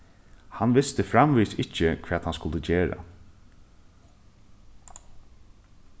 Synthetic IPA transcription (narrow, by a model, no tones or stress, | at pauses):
hanʋɪst̪əfɾamʋiːsɪcːəkʰʋɛːt̪hanskʊlt̪əd͡ʑeːɾa̰